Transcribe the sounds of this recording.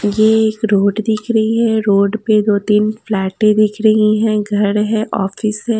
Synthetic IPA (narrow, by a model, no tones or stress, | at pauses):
jeeːkɾoːɖd̪ɪkʰɾɐɦiɦɛ̃ɾoːɖped̪oːt̪iːnflɛːʈẽd̪ɪkʰɾəɦiɦɛ̃ɡʱɐɾɦɛ̃ʔɔːfɪsɦɛ̃ː